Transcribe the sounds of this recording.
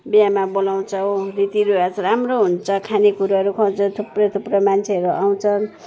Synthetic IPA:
bijamabolaw̃t͡sʰʌ̃rit̪iɾuat͡sʰʌɾamroɦunt͡sʰʌkʰanekuɾaʌɾukʰʌd͡zʌt̪ʰuprʌjt̪ʰuprʌmant͡sʰeʌɾuʔaw̃t͡sʰʌn

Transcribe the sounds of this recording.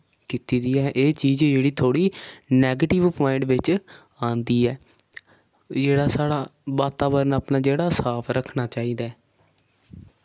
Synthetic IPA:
kiːt̪iːd̪iːɛːʔeːt͡ʃiːd͡ʒd͡ʒeːɽiːt̪ʰoːɽiːnɛːɡeːʈɪʋpmaːɪɳɖʋɪt͡ʃ | ãːnd̪iːɛː | d͡ʒeːɽaːsaːɽaːbaːt̪aːbəɾənaːpnaːd͡ʒeːɽaːsaːpʰɾəkʰnaːt͡ʃaːiːd̪aː

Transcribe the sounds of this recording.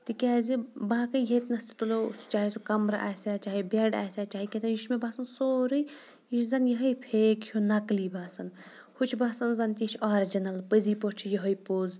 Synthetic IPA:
t̪ɨkʲaːzibaːkɐjɦet̪nɐst̪i̥t̪ulost͡ʃaːɦisukɐmɾaʔa̰ːsaːt͡ʃaːɦibeɖa̰ːsʲat͡ʃaːɦiket̪ɐnjiʃmebaːsɐnsoːɾɨj | jiʃzɐnjɐɦəjpʰeːkʰjʰunɐklibʱaːsɐn | hut͡ʃʰbaːsɐnzɐnt̪iʃʰaːɾd͡ʒɐnɐlpəziːpoɾt͡ʃʰijəɦəjpoːz

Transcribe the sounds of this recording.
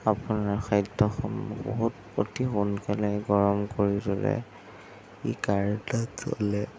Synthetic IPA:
apunaɹxajdːɔxɔmɔ̰bo̰ɦut | otixunkalajɡɔɹɔmkoɹidɔlɛ̰ | ikaɹdatɔ̰lɛ

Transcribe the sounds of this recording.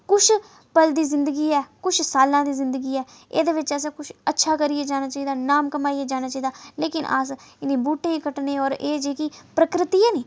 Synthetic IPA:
kʊt͡ʃʰ | pəld̪iːzɪ̃nd̪əɡiːɛːkʊt͡ʃʰsaːlãːd̪iːzɪ̃nd̪əɡiːɛː | ḛːd̪eːʋɪt͡ʃɛːs̬ãːkʊʃʰətːʃʰaːkəɾieːd͡ʒaːnaːt͡ʃaːiːd̪aːnaːmkəmaːiːeːd͡ʒaːnaːt͡ʃaːiːd̪aːleːkɪnʔə̰sɪnĩːbuːʈẽːkəʈnẽːɔːɾeːd͡ʒeːkiːpɾəkɾɪt̪iːɛːniː

